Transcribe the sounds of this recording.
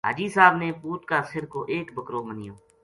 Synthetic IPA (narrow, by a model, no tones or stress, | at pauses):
ɦa̰ːd͡ʒiːsaːbneːpuːt̪̚kaːsɪɾkoːʔeːkbəkɾoːmənɪjoː